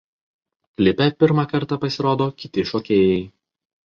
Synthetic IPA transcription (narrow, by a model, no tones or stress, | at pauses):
klʲɪpʲɛpʲɪɾmɑkɐɾˑt̪ɑpɐsʲɪɾoːd̪oːkʲɪt̪ʲɪʃɔːkʲeːjɛɪ